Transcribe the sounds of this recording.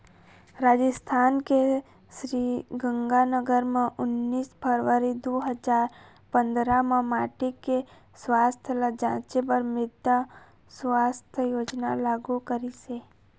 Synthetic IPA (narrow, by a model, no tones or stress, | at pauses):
ɾad͡ʒəst̪ʰanke | ʃɾiɡə̃ŋɡanəɡəɾmãʔʊnːisbʱəɾʋəɾid̪oɦəd͡ʒaɾ | pə̃nd̪ɾamãmaʈike | sʋast̪ʰələd͡ʒãt͡ʃepəɾmɪd̪a | sʋast̪ʰəjod͡ʒna̰laɡukəɾise